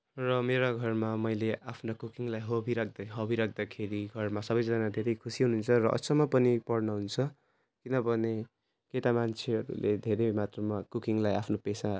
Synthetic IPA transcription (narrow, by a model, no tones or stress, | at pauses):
rʌmeɾoɡʱʌrmamʌjleʔapʰnokukiŋlajɦʌbʱiɾak̚ʰd̪aɦʌbiɾak̚ʰd̪akʰeɾiɡʱʌrmasʌbʌjd͡zʌnad̪ʱeɾʌjkʰusiɦununt͡sʰʌɾʌʔʌ̰sʌmapʌnipʌɽnʌɦunt͡sʰʌ | kinʌbʱʌne | keʈamant͡sʰeʌɾṵlʔḛd̪ʱeɾʌjmat̪rʌmakukiŋlajapʰnopesa